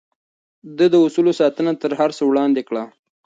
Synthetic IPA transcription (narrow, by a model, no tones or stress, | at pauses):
d̪əd̪əʊsulosɑt̪ənat̪əɾɦaɾsəwɽɑnd̪ekɽa